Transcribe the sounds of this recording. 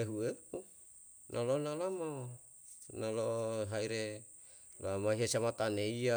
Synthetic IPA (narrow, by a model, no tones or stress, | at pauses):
eɦueu | nʔalonalama | naloɦaiɾe | loamaiɦasamat̪aneia